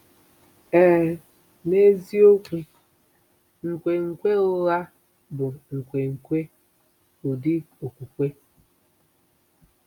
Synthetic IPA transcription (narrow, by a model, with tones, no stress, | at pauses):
ɛ˦˨ | ne˦zi˦o˦ku˦ | ŋ̩˨kʷe˨ŋ̩˨kʷe˦ʊ˦ɣa˦ | bʊ˨ŋ̩˨kʷe˨ŋ̩˨kʷe˦ | ʊ˨di˦ | o˨kʷu˨kʷe˦